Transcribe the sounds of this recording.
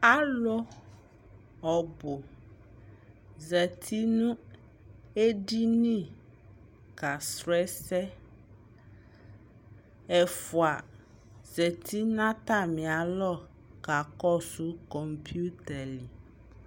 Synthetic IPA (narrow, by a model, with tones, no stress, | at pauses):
a˦lɔ˦ | ɔ˨bo˨ | zɛ˨t̪ʰi˦nũ˦ | e˦ɖi˦nĩ˦˨ | ka˨sɾɛ˦sɛ˦ | ɛ˨fu˨a˨ | zɛ˨t̪ʰi˦nã˦t̪a˦˨mĩ˨a˨lɔ˦ | ka˨kɔ˦su˦kɔ˨mpʰi˦u˦t̪ɛ˨li˨